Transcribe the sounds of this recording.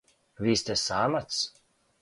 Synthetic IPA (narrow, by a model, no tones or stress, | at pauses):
vʲiːst̪ʲɛsaːmat̪s